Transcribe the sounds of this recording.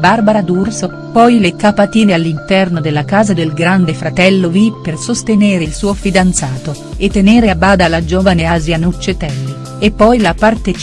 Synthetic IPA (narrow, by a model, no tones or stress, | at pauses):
barbaɾad̪urso | pɔjlekapat̪iːnealːint̪ɛrnod̪elːakaːzad̪elɡɾand̪efɾat̪ɛlːovipːersost̪eneːɾeilsuːofid̪ant̪saːt̪o | et̪ːeneːɾeabaːd̪alad͡ʒoːvaneazjanut͡ʃːet̪ɛlːi | epːɔjlapart̪et͡ʃ